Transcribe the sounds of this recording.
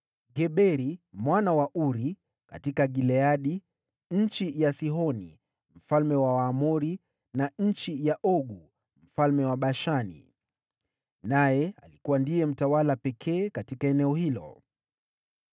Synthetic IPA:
ɡɛɓɛɾimwanawaʔuɾi | ka̰tikaɡilɛaɗi | ɲ̩t͡ʃijasiɦɔnḭ | m̩falmɛwawaːmuɾi | naɲ̩t͡ʃijaʔɔɠu | m̩falmɛwaɓaʃanḭ | najɛa̰likuwandijɛm̩tawalapɛkʰɛːkatikaɛnɛɔhilɔ̰

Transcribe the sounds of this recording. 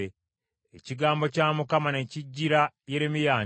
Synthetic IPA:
e | eciɡaːmbo̞caːmukamane̞ciɟːiɾaje̞ɾimijaː

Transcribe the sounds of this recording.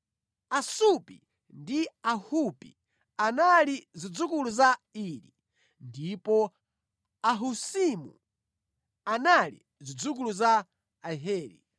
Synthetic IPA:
asupḭ | ndiahupḭ | analizid͡zukuluzaiɾḭ | ndipɔ | aɦusimṵ | analḭ | zid͡zuk̬uluzaː | ɦɛːɾḭ

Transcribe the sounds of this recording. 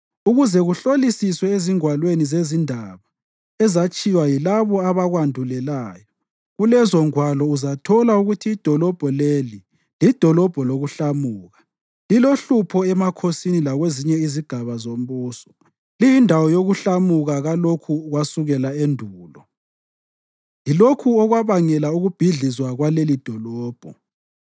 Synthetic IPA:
uɣuzɛɣuɬolisiswɛeziŋwalwenizezindʱaβa | ɛzat͡ʃʼiwajilaβɔaβaɣwandʱulɛlaːjɔ | ɣulɛzɔŋwalɔuzatʰɔlauɣutʰiːd̥ʱɔlɔb̥ʱɔleli | lid̥ʱɔlɔb̥ʱɔloɣuɬamuːɣa | liloɬupʰɔɛmakʰosinilaɣweziɲɛiziɡ̥ʱaβazombuːsɔ̥ | lijindʱawɔjoɣuɬamuɣaɣalokʰuɣwasuɣɛlaendʱuːlɔ | jilokʰuɔɣwaβaŋɛlauɣub̥ʱiɮizwaɣwalelid̥ʱɔlɔːb̥ʱɔ̰

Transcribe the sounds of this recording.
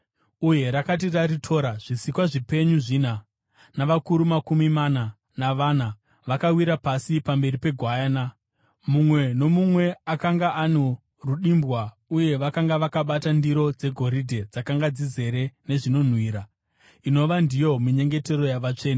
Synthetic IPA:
uje̞ɾakat̬iraritʰo̞ɾaʐ̥isikwaʐipe̞ɲuʐiːna | naʋakuɾumakumimana | naʋana | ʋakawiɾapasipambe̞ɾipe̞ɡʱwajana | mumwe̞no̞mumwe̞akaŋɡaʔano | ruɗimbwa | uje̞ʋakaŋɡaʋakaɓatandiɾo̞d͡ze̞ɡʱo̞ɾidʱe̞d͡zakaŋɡad͡zize̞ɾe̞ne̞ʐino̞n̤wiːɾa | ino̞ʋandijo̞miɲe̞ŋɡe̞te̞ɾo̞jaʋat͡ʂe̞ːna

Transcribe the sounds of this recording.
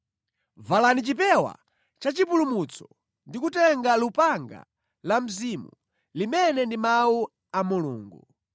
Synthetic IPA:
valanit͡ʃipɛwa̰ | t͡ʃat͡ʃipulumut͡sʰɔ̥ | ndikutɛŋɡalupaŋɡa̰ | lam̩zimu | limɛnɛndimawu | amuluːŋɡu

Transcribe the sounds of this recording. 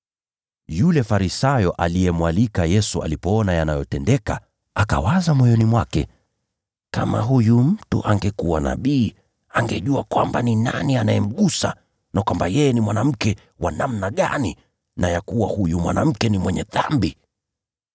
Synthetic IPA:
julɛfaɾisajɔʔalijɛmwalikajɛsua̰lipɔɔnajanajɔtɛndɛka | aka̰wazamɔjɔnimwakɛ | kama̰ɦujum̩tṵʔaŋɡɛkuwana̰ɓiː | aŋɡɛʄuakwambanina̰nianajɛm̩ɠusa̰ | nakwambajɛjɛnimwanam̩kɛ | wanamnaɠa̰ni | najakuwahujumwa̰na̰m̩kɛnimwɛɲɛðambi

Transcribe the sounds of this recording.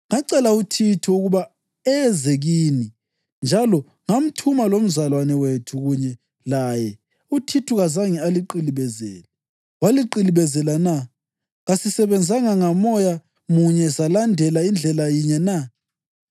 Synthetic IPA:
ŋaǀɛlautʰitʰuuɣuβa | ɛzɛɣiːni | nd͡ʒʱalɔ | ŋam̩tʰumalom̩zalwanɛwetʰuɣuɲɛ | lajɛ | utʰitʰuɣazaŋialiǃiliβɛzɛ̰ːlɛ | waliǃiliβɛzɛlana | ɣasisɛβɛnd͡zʱaŋaŋamɔja | muɲɛsalandʱɛlaind͡ɮʱɛlajiɲɛna

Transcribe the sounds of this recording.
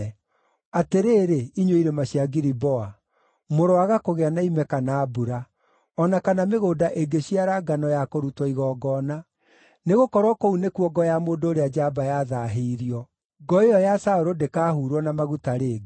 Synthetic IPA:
ateɾeːɾeiɲwoiɾemaɕiaɡiɾibɔa | moɾoaɣakoɣeanaimɛkanaːbuɾa | ɔnakanameɣoːdaʔeɡeɕiaɾaɡanɔjakoɾutwɔiɣɔːɡɔːna | neɣokɔɾwɔkounekuɔɡɔjamoːndoːɾead͡ʒabajaðaɦeiɾiɔ | ɡɔejɔjasaoɾodekaːhuɾwɔnamaɣutaɾeːɡe

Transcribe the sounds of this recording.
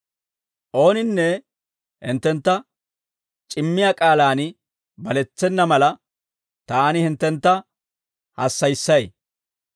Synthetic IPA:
ʔo̞ːnɪnːɛ | hɪ̰nt̪ːɛnt̪ːɐ | t͡ʃʼɪmːɪjaːkʼaːlaːn | bɐlɛt͡sːɛnːɐmɐlɐ | t̪aːnɪhɪnt̪ːɛnt̪ːɐ | hɐsːɐjsːɐj

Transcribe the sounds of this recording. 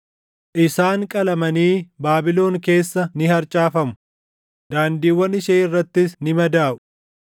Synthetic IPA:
ʔɪsaːŋkʼɐlɐmɐniːbaːbɪlo̞ːŋke̞ːsːɐnɪɦɐɾt͡ʃʼaːfɐmʊ̥ | d̪aːnd̪iːwːɐnɪʃɐːɪrːɐt̪ːɪsnɪmɐd̪aːʔʊ̥

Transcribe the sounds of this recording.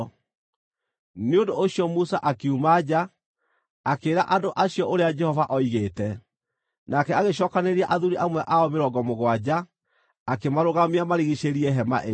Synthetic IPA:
neondooɕiɔmusaʔakiumad͡ʑa | akeːɾaʔandoʔaɕiɔʔoɾead͡ʒɛhɔvaʔɔiɣeːtɛ | nakɛaɣeɕ̬ɔkaneɾiaʔaðuɾiʔamwɛʔaɔmeɾɔɡɔmoɣwad͡ʑaː | kemaɾoɣamiamaɾiɣiɕeɾiɛɦɛma̰ʔe

